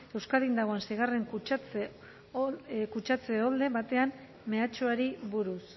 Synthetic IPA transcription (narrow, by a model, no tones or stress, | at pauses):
e̞wskalðind̪aɣo̞ansejɣare̞ŋkut͡ʃt͡s | kut͡ʃat͡se̞old̪e̞βat̪e̞am | me̞at͡ʃoaɾiβuɾus